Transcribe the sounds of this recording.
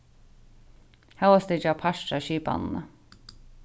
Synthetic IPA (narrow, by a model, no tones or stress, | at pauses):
hawast̪ɪt͡ʃːapʰaʃʈaʃiːpa̰nnə̰